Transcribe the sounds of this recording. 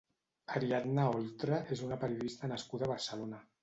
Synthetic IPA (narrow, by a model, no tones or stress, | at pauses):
aɾiad̪naolˠt̪ɾaʔezunapəɾiuðist̪ənəskuðaβ̞əɾsəlona